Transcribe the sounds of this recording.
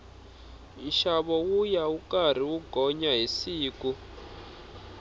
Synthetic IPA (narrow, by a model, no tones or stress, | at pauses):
iʃaβɔwujaukʼar̤iwuɡ̥ʱɔɲaɦisiːku